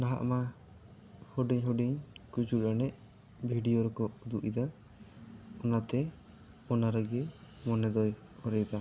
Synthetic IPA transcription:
naɦa̰ʔma | hɔɖiɲɦɔɖiɲkud͡ʒuɾanɛʔ̚ | bʱiɖijoɾɛkɔd̪uʔid̪a | ɔnat̪ɛ | ɔnaɾaɡɛmɔnɛd̪ɔj | ɔɾɛjd̪a

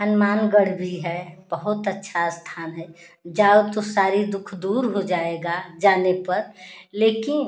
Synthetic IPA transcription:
ɦənmaːnɡəɽ̤bʱiɦɛb̥əɦʊt̪ətːʃʰast̪ʰaːnɦɛ | d͡ʒaːot̪osaːɾid̪ʊkʰd̪uːɾɦod͡ʒaːeɡad͡ʒaːnepɐɾleːkɪn

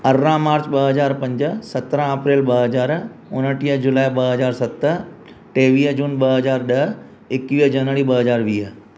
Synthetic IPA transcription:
əɾːãːmaːɾt͡ʃbəɦəzaːɾpɐ̃ɲd͡ʒsət̪ɾãɐpɾeːlbəɦəzaːɾʊnəʈijəd͡ʒʊlaːjbəɦəzaːɾsɐt̪ə | ʈeːʋiːəd͡ʒuːnbəɦəzaːɾɗəɦ | ɪkːʋiəd͡ʒənʋəɽibəɦəzaːɾʋiːɦə

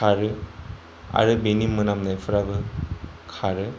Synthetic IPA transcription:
aɾɯ | a̰ɾɯbenimːɯnamnajfʰɯɾabɯ | kʰaɾɯ

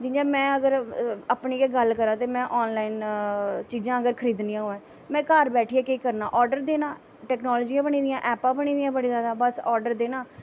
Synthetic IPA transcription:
d͡ʒɪnd͡ʒãːmɛ̃ːəɡəɾapniːkeːɡəlkəɾãːt̪eːmɛ̃ːʔɔːnlaːint͡ʃiːd͡ʒãːɡəɾkʰəɾiːd̪nijãːɦoãː | mɛ̃ːkaːɾbɛːʈʰiːɛːkeːkəɾnaːʔɔːɾɖəɾd̪eːnaː | ʈɛːknɔːlɔːd͡ʒijãːbəniːd̪ɪjãːʔɛːpãːbəɳ̃iːd̪ɪjãːbəɽiːzjaːd̪aːbəsɔːɾɖəɾd̪eːnãː

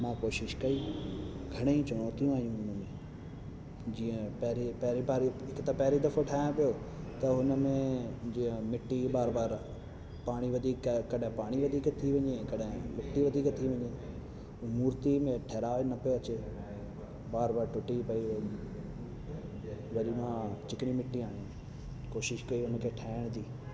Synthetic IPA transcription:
mãːkoːʃɪʃkɐiː | ɡʱɐɽ̃eit͡ɕʊɽ̃ɔːt̪ijũaːɦijũʊnmẽ | d͡ʑiːə̃pɐɦɾipɐɦɪɾipaːɾiɦɪkt̪ɐpɐɦɾid̪ɐfoʈʰaːɪjõpijo | t̪ɐɦʊnə̆mẽd͡ʑĩːə̃mɪʈːibaːɾbaːɾ | paːɽ̃iʋɐd̪ʱiːkkːɐɗɦɪ̃paːɽ̃iʋɐd̪ʱiːkt̪ʰiʋɐ̃ɲekɐɗɦɪ̃mɪʈːiʋɐd̪ʱiːkt̪ʰiʋɐ̃ɲeː | muːɾt̪imẽʈʰeːɾaːʋenɐpijoɐt͡ɕe | baːɾbaːɾʈʊʈipɐiʋ | ʋɐɾimãt͡ɕɪkɪɽ̃imɪʈːiaːɽ̃ĩ | koːʃɪʃkɐiɦʊnəkʰeʈʰaːɪɽ̃t̪ʰiː

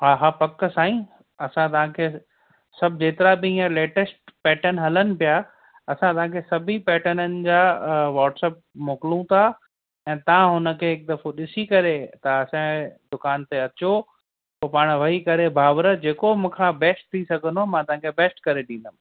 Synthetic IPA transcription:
ɦaɦapɐkːsaːĩ | ɐsãt̪ɐʋ̤ãkʰeː | sɐbʱd͡ʑeːt̪ɪɾabɪĩːãleːʈəsʈ̚pɛːʈənɦɐlənɪ̆pija | ɐsãt̪ɐʋ̤ãkʰeːsɐbʱipɛːʈənənɪ̆d͡ʑaːʋaːʈsɛːp̚moːkɪlũt̪ʰa | ɛ̃ːt̪ɐãɦʊnə̆kʰeːɦɪk̚d̪ɐfoɗɪsikɐɾet̪ɐɐsãd̪ʊkaːnt̪eɐt͡ɕo | p̪oːpaːɽ̃ʋɐɦikɐɾebʱaːʋɾəd͡ʑeːkomũːkʰãbɛːsʈ̚t̪ʰisɐɡʱənomãt̪ɐʋãkʰebɛːsʈkɐɾeɗĩːnd̪əm

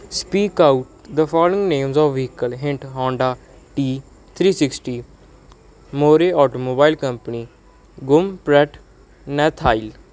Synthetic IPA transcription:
spiːkaːuʈd̪əfɔːlɪ̃ŋɡnẽːmzɔːʋikəlɦɪ̃ɳʈɦɔ̃ːɳɖaː | ʈiː | t̪ʰɾiːsɪksʈiː | moːɾeːɔːʈoːmoːbaːilkəmpəniː | ɡʊmpɾɛʈ | nɛːt̪ʰaːil

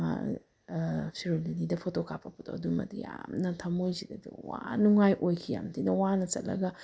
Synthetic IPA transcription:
a̰ | pʰiɾolinidɐpʰotokʰapʰːɐpʰotʰo̰ɐdumɐ̰dijamnɐtʰɐmojzidɐduwanuŋajʔojkʰija̰mtʰinɐwanɐt͡ʃɐt̚lɐ̰ɡɐ

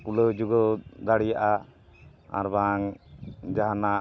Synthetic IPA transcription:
kuləd͡ʒuɡɔd̪aɽijaʔa | a̰ɾbaŋd͡ʒaɦana

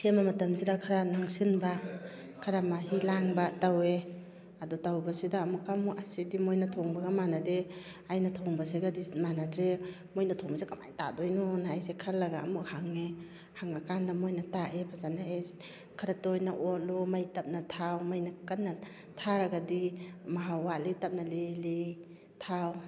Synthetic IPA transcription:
semamɐtɐmziɾakʰaɾanaŋsinba | kʰaɾamaɦilaŋbatawe | adɔtawbasidaːmukamuʔasidimojnatʰɔŋbaɡamanade | ajnatʰɔŋbasiɡadimanatɾe | mojnatʰɔŋbazekama̰jta̰dojnɔnaːjsekʰɐɾlɐɡaːmukhaŋe | haŋakandɐmojnɐtaʔepʰazanae | kʰɐɾatojnaʔɔt̚lumajtɐp̚nɐtʰawmajnakanːa | tʰaɾaɡadimaɦawalitɐp̚naleli | tʰaw

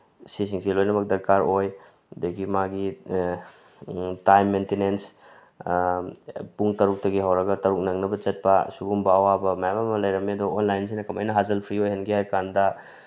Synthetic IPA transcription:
sis̬iŋsilojnɐmɐk̚dɐɾkaɾoj | deɡimaɡi | tajmːentinens | puŋtɐɾuk̚tɐɡiɦawɾɐɡɐtɐɾuk̚nɐŋnɐbɐt͡ʃɐt̚pɐsuɡumbɐːwabɐmajamamɐlɐjɾɐmedɔːnlajnsinɐkɐma̰jnɐɦazɐlpʰɾiojhenɡihajkʰandɐ

